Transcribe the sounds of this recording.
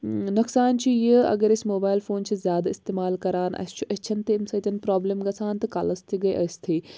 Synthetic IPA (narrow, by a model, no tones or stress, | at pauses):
nɐksaːnt͡ɕʰijəɐ̰ɡəɾɪsmoːbaːɪlfoːnt͡ɕʰizʲjaːd̪aɪst̪eːmaːlkɐɾaːnɐ̰uʔɐt͡ʃʰɐnt̪eɪmsɐt̪ɐnpɾaːbleːmɡɐsaːnt̪ɐka̰ːlɐst̪ʰiɡɐeʔɐst̪ʰeː